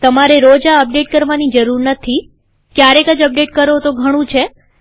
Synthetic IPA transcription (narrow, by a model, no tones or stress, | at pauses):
t̪əmaɾeɾod͡ʒaəp̚ɖeʈ̚kəɾʋanid͡ʒəɾuɾnət̪ʰi | kjaɾekəd͡ʒəp̚ɖeʈkəɾot̪oɡʱəɽ̃ũt͡ʃʰe